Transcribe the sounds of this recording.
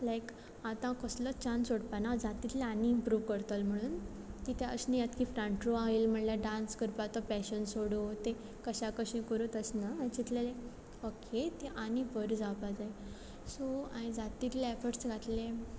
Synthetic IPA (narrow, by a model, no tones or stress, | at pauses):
lajk | at̪ãkəslət͡ɕãnsoɽpanad͡zat̪it̪leaniːmpɾuʋkəɾt̪əlm̤əɽ̃uːn | kit̪eə̰snijat̪kifɾãɳʈɾoaɦelm̤əɳlaɖãnskəɾpat̪ɔpɛɕənsoɽot̪e | kəɕakəɕĩkəɾut̪əsnaait͡ɕit̪lele | okʰet̪eʔañibəɾd͡zaʋpad͡zaj | soãid͡zat̪it̪leɛfəʈsɡʱat̪lẽ